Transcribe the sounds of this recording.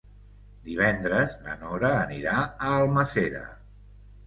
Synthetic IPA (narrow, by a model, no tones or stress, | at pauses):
d̪iβ̞ɛnd̪ɾəznə̰nɔɾəːniɾaəːlˠməseɾə̰